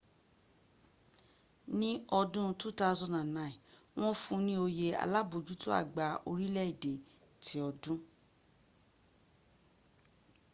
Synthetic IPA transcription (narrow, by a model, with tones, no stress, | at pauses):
nĩ˦ɔ˧dũ˦tu˦ta˦˧zɔ̃˧˨dã˨nã˨ĩ˨ | w̃ɔ̃˦fũ˦nĩ˦o˧je˧a̰˨la˦bo˨d͡ʒu˨˦tu˦a̰˦˨ɡ͡ba˨ʔo˧ɾi˦lɛ˦i˦˨de˨ | tʰi˨˦ɔ˧dũ˦